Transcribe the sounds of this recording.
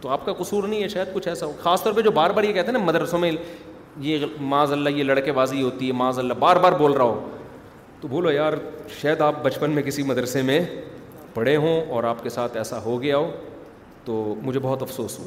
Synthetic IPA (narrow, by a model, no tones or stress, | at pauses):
t̪oaːp̚kaqʊsuːɾnɐɦĩɦɛʃaːjəd̪̚kʊt͡ʃʰɛːsaɦoɡxaːst̪ɔːɾped͡ʒoːbaːɾbaːɾjekɛɦt̪eɦenmɐd̪ɾsõmẽ | jemãːzɐlːajelɐɽkeʋaːziɦoːt̪iɦɛmãːzɐlːabaːɾbaːɾboːlɾaɦoː | t̪obʱoːlojaːɾʃɐːəd̪aːp̚bɐt͡ʃpənmẽkɪsimɐd̪ɾəsemẽ | pɐɽ̤eɦõɔːɾaːpkesaːt̪ʰɛːsaɦoɡɐjaɦoː | t̪oːmʊd͡ʒʱebɔɦʊt̪ɐfsoːsɦo̰ːa